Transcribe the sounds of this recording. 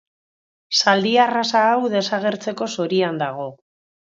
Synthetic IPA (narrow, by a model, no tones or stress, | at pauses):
sald̪iarasaːwðe̞saɣ̞e̞ɾt͡se̞ko̞so̞ɾiand̪aɣ̞o̞